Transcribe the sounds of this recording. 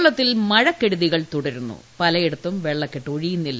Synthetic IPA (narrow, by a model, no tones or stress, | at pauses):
ɭːɐt̪ːilmɐɻɐkːeɽuðiɣɐɭt̪uɽɐɾunːṵpɐlɐjeɽut̪ːumʋeɭːɐkːeʈːoɻijunːilːɐ